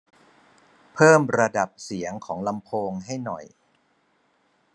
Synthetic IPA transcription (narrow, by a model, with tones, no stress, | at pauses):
pʰɤː˥˩mɾa˧da˨˩p̚si˩˦əŋkʰɔː˩˦ŋla˧mpʰoː˧ŋɦa˥˩jnɔ̰˨˩j